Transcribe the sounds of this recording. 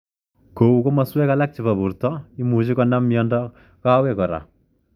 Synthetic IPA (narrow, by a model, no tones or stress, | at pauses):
kowukomaswɛkalak̚t͡ʃipabuɾtɔimut͡ʃikɔnamijɔndɔ | kawɛkɔɾa̰